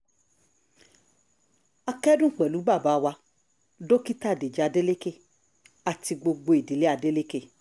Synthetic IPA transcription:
a˧kɛ˦dũ˦˨k͡pɛ˨lu˨˦ba˦˨ba˨˦˧wa˧ | do˦ki˦ta˦˨de˨d͡ʒi˨˦a˧de˦le˦ke˦˨ | a˨ti˧ɡ͡bo˧ɡ͡bo˧i˨di˨˦le˦a˧de˦le˦ke˦˨

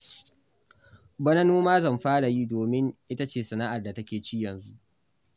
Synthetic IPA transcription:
bɐ˦nɐ˦nuː˦maː˦zɐ˦˨mɸaː˦ɽa˨ji˦doː˨mɪ˦ŋʔɪ˦ta˦t͡ʃeː˦˨sɐ˨naː˦ʔa˨rda˨tɐ˦kʲeː˨t͡ʃi˦jɐ˨nzu˦ʔ

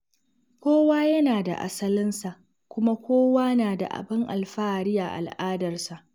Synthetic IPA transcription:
kʷoː˦waː˦jɐ˦naː˨da̰˨ʔa̰˦sɐ˦lɪ˦nsa˨ʔ | kʷʊ˦ma˦kʷoː˦waː˦naː˨da̰˨ʔa̰˨bɪ˦ŋʔa˨lɸaː˦˨ɽɪ˦jaː˨ʔa̰˨lʔaː˦dɐ˨rsa˨ʔ

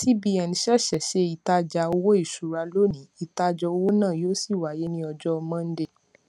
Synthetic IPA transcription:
ti˦bi˦ɛ˧n˨ʃɛ˦˨ʃɛ˨ʃe˦i˧ta˧d͡ʒa˧o˧wo˦i˦˨ʃu˨ɾa˧lo˦nĩ˨˦i˧ta˧d͡ʒɔ˧o˧wo˦nãː˦˨jo˦si˦˨wa˨je˨˦nĩ˦ɔ˧d͡ʒɔ˦ɔ˧mã˦˧n̩˦de˧

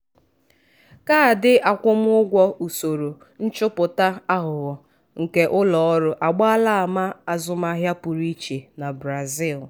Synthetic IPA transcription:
ka˦a˨dɪ˦ʔa˨kʷʊ˦m˦ʊ˦ɡʷɔ˦u˨so˨ɾo˨ | n̩˦t͡ʃʊ˦pʊ˨ta˦a˦ɦʊ˨ɣɔ˨ | ŋ̩˨ke˦ʔʊ˦lɔ˨ɔ˦ɾʊ˦ʔa˨ɡ͡ba˦a˦la˦˨ma˦a˨zʊ˦ma˦ɦja˦pʊ˨ɾi˦t͡ʃe˨na˨bɾa˨zi˦˨l

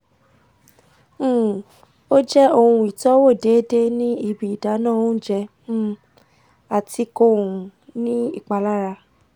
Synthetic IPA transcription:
o˦d͡ʒɛ˦o˧hũ˧i˨tɔ˨˦wo˦˨de˨˦de˦nĩ˦i˧bi˨i˨da˨˦nãː˦˨o˦d͡ʒɛ̃˧˨ | a˨ti˧ko˧˦˨ũ˧nĩ˦i˦˨k͡pa˨la˦ɾa˧

